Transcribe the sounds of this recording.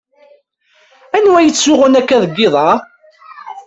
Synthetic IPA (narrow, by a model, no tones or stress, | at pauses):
ænwæjət͡sːʊʁənækːæðˤɡːɪðˤɑ